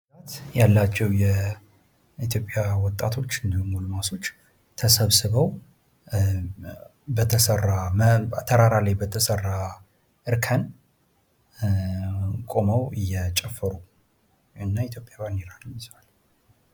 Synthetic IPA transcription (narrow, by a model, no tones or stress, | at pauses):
at̪jalːat͡ʃːɛwjɛ | it̪ʰjo̞pʼjawɔt̪ʼːa̰t̪ʰo̞t͡ʃːɨnd̪əhumulɨmaso̞t͡ʃː | t̪ʰəsəβsɨβəw | bət̪ʰəsərːamt̪ʰəɾaɾalajbət̪ʰəsərːa | ʔɨɾkʰən | kʼo̞məwɨjːɛt͡ʃʼɛfːəɾu | ɨnːait̪jo̞pʼjaβaneɾalmsal